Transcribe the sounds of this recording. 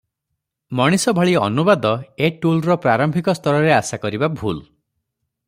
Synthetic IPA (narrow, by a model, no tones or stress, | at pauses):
mɔɽ̃isɔbʱaɭiɔ̰nubad̪ɔeʈulɾɔpɾaɾɔmbʱikɔst̪ʰɔɾɔɾeasakɔɾibabʱṵl